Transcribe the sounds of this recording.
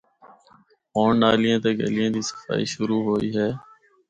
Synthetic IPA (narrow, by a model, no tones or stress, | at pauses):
oːɳːaːlɪjãːt̪eːɡḛlɪjãːd̪iːsə̥fa̰ːḭːʃʊɾuːɦoːiːɦɛː